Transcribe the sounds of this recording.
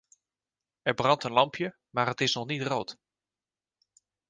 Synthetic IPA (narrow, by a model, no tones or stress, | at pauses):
ɛɹbrɑntənlɑmpʰjə | maːɹɦətɪsnɔxnitroːt